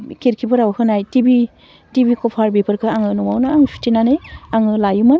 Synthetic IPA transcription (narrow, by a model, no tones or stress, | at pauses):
kʰeɾkʰipʰɯɾawhɯnajtibi | tibikɔpʰaɾbipʰɯɾkʰɯaŋɯnɔwawnaaŋsʰu̥tinaneaŋɯlajumɯn